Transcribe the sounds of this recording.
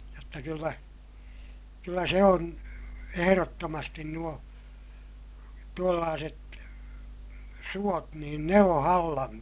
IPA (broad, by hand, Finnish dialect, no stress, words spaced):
jotːɑ kylːæ kylːæ se on eherotːomɑstin nuo tuolːɑːset suot niːn ne õː hɑlːɑm